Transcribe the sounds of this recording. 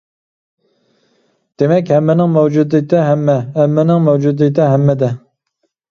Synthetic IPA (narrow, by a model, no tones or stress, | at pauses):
d̪̥emɛkʲhɛmːɪnɪŋmɛwd͡ʒud̪ɨt̪ʰɪɦɛmːɛhɛmːɪnɪŋmɛwd͡ʒud̪ɨt̪ɪɦɛmːɛd̪ɛ